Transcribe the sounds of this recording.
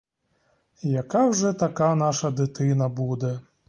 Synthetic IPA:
jakawʐɛt̪akan̪aʂɐd̪ɨt̪ɨnɐbud̪ɛ

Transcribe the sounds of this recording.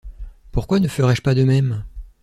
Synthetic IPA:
puʁkwanəfəʁɛʒpad̪əmɛm

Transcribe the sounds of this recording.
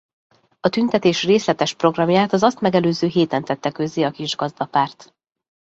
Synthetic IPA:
ɒt̪ynt̪ɛt̪eːʃreːslɛt̪ɛʃpro̞ɡrɒmjaːt̪ɒzɒst̪mɛɡɛløːzøːɦeːt̪ɛnt̪ɛt̪ːɛkø̞zːeːɒkiʒɡɒzd̪ɒpaːrt̪

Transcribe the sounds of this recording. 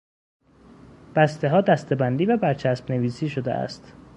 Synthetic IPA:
b̥æst̪ʰe̞ɦɒːd̪æst̪ʰe̞bænd̪iːvæbæɾt͡ʃʰæsbne̞viːsiːʃo̞d̪ḛæ̰st̪

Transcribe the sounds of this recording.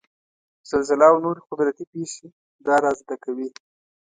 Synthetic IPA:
z̥alzɪlawnoɾexʊd̪ɾat̪ipeʃe | d̪ɑɾɑzːd̪akawi

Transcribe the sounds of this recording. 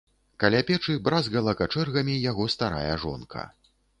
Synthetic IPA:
kɐlʲapʲɛt͡ʂɨbɾazɣɐlˠɐkat͡ʂɛrɣɐmʲijaɣɔst̪aɾa̰jɐʐɔ̰nkʰɐ̰

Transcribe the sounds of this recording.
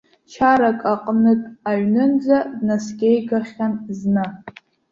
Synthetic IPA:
t͡ʃʰaɾakʼaqʼnɨtʼaɥnɨnd͡zadnaskʲʼejɡaχʲanznɨ

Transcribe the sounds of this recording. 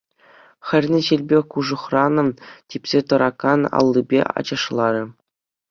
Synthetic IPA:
xʲɘ̆rʲnʲɘ̆ɕilʲbʲekuʐɤ̆χrɑnɤ̆mtʲipʲsʲet̪ɤ̆ɾɑkɑnɑ̰lˠːibʲḛɑ̰d͡ʑɤ̆ʂlˠɑɾʲɘ̆

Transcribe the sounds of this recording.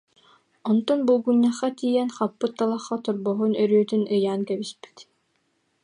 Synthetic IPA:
ɔnt̪ɔnbulˠɡuɲːaχːat̪iːjɛnχapːɯt̪ːalˠaχːat̪uɾbɔɦunœɾyœt̪ynɯjaːnkɛbispi̥t̪

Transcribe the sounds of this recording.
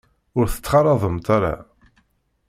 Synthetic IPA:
ʊɾθə̥t͡sːχɑɾˤɑðˤəmt̪aɾa̰

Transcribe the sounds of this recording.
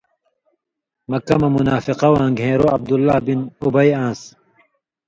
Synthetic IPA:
mɐkːɐmɐmunaːfiqɐwãːŋɡʱɦẽːɾoɐb̚d̪ulːaːbinubɐjãːs

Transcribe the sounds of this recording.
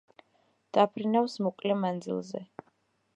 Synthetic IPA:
d̪̥apʰɾinafsmɔkʼlɛmand̪zḭlˠzɛ̰

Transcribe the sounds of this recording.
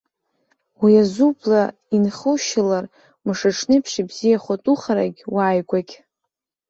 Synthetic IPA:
wiazubʰʼla | inχəʃɪlar | mɨʂaʈ͡ʂʰnɨpʰʂibzijaχʷatʼuχaɾa̰ɡʲwaːjɡʷaɡʲ

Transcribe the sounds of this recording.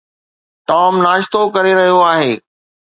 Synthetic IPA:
ʈaːmnaːʃt̪okɐɾeɾɐɦijoaːɦeː

